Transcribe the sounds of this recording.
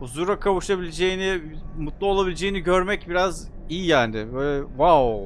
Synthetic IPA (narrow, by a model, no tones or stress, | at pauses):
uzuɾakʰavuʃabilʲed͡ʒejinɪmut̪lˠuo̞lˠabilʲed͡ʒejiniɟø̞ɾmɛcbiɾaz | ijijaːnɪbøjlʲɛvaw